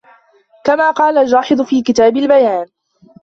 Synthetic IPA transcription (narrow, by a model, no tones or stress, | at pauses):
kamaːqɑːlald͡ʒɑːħɨd̪ˤfiːkɪt̪aːbalbajaːn